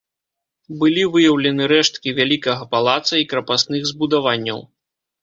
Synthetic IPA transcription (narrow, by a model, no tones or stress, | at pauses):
bɨlʲivɨjɐwlʲɛnɨɾɛʂt̪kʲivʲalʲikɐɣɐpalˠat̪sɐikɾɐpast̪nɨɣzbud̪avanʲːɐ̰w